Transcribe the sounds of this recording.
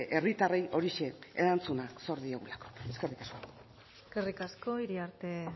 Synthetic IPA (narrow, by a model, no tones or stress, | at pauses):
ʔe̞rit̪arejʔo̞ɾiʃe̞ḛɾant͡sunaso̞ɾðie̞ɣulako̞̥e̞skerikasko̞ | skerikasko̞iɾiaɾt̪e̞